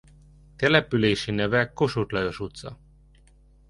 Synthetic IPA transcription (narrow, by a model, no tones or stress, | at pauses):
t̪ɛlɛpyleːʃinɛvɛkːo̞ʃut̪lɒjo̞ʃut̪sɒ̰